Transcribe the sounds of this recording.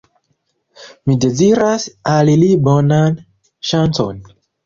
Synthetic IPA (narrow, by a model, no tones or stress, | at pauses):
mideziɾasalilibonan | ʃant͡so̰n